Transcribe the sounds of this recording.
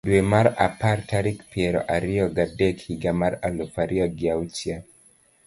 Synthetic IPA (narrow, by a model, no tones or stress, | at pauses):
duɛmaɾa̰paɾtʰaɾikpiɛɾɔ̰ʔaɾiɔɡadɛkhiɡamaɾalufaɾʔiɔɡiaut͡ʃia